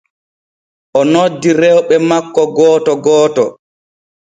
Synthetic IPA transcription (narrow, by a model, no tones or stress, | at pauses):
ʔɔnodːiɾɛwɓɛmakːɔɡɔːtɔɡɔːtɔ̰